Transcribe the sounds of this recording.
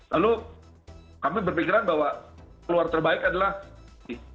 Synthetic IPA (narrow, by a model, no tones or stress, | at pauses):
lalu | kamibərfikiɾanbaɦwaluart̪ərbaɪkadalah | ɪ